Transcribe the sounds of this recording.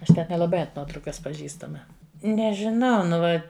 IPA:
ˈɐʃ ˈtʲɛn nʲɛlˠɐˈbɐɪ ɐnt ˈnuɔtrɐʊkɐs pɐˈʒʲiːstɐmɐ nʲɛʒʲɪˈnɐʊ nʊ ˈʋɐ

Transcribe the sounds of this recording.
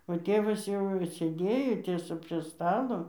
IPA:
oː ˈtʲeːʋɐs jɛʊ sʲeːˈdʲeːjoː ˈtʲiɛsɐ pʲrʲiɛ ˈstɑːlˠoː

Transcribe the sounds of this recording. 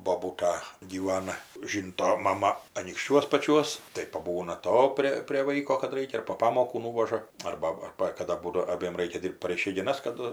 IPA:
boːˈbuːtɐ ɡʲiːˈʋɑːnɐ ˈʒʲiːntoː mɐˈmɐ ɐnʲiːkʃʲˈt͡ʃʲuɔs pɐˈt͡ʃʲuɔs tɐɪ pɐˈbuːnɐ ˈtoː pʲrʲeː pʲrʲeː ˈʋɐɪkoː kɐt ˈrɐɪkʲɛ ɪr poː ˈpɑːmoːkuː ˈnuːʋɐʒɐ ˈɐrbɐ ˈɐrbɐ kɐˈdɐ ˈbuːdoː ɐˈbʲiɛm ˈrɐɪkʲɛ ˈdʲiːrpt pɐr ɪʃʲɛɪɡʲɪˈnɐs kɐˈdʊ

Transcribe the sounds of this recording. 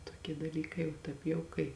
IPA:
toːˈkʲiɛ dɐˈlʲiːkɐɪ oː ˈtɐɪp jɛʊ kɐɪ

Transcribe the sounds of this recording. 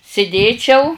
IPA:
sʲɪˈdʲeːt͡ʃʲɛʊ

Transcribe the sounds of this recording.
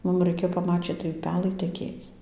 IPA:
ˈmʊm rɐɪˈkʲeːjoː pɐˈmɑːt͡ʃʲiːt tɐɪ ʊˈpʲæːlˠɐɪ tʲɛˈkʲeːt͡s

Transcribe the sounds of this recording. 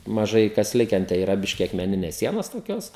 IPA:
mɐˈʒɐɪ kɐs ˈlʲɪkʲɛn tɐɪ iːˈrɐ ˈbʲɪʃʲkʲɪ ɐkmʲɛˈnʲɪnʲɛs ˈsʲiɛnoːs toːˈkʲoːs

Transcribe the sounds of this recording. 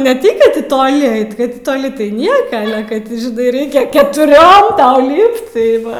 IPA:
nʲɛ ˈtɐɪ kɐt ˈtʲɪ toːˈlʲɪ ˈɐɪt kɐt tʲɪ toːˈlʲɪ tɐɪ ˈnʲiɛkɐ kɐt ˈtʲɪ ʒʲɪˈnɐɪ ˈrʲɛɪkʲɛ kʲɛtʊˈrʲoːm ˈtɐʊ ˈlʲiːpt tɐɪ ˈʋɐ

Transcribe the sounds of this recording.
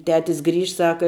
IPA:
ˈtʲæːtʲɪs ˈɡrʲiːʃt ˈsɑːkɐ

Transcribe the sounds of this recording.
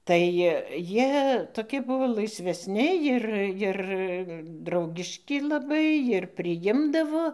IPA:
tɐɪ ˈjiɛ toːˈkʲɪ ˈbʊʋoː lˠɐɪsʲʋʲɛsʲˈnʲɪ ˈjɪr ˈjɪr ˈdrɐʊɡʲɪʃʲkʲɪ lˠɐˈbɐɪ jɪr pʲrʲɪˈjɪmdɐʋoː

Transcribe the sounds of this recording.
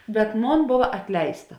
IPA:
bʲɛt ˈmoːn ˈboːʋɐ ɐtʲˈlʲɛɪstɐ

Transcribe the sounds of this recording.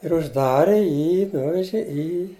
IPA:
ɪr ʊʒˈdɑːrʲɪ ˈjiː ˈnʊʋʲɛʒʲɪ ˈiː

